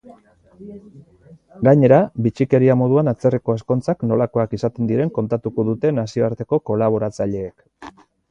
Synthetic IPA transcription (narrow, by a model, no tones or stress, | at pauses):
ɡaɲe̞ɾabit͡ʃike̞ɾiamo̞ð̞uanat͡se̞riko̞e̞sko̞nt͡sakno̞lako̞akisat̪e̞nd̪iɾe̞ŋko̞nt̪at̪uko̞ðut̪e̞nasio̞aɾt̪e̞ko̞ko̞laβ̞o̞ɾat͡saʎe̞ːk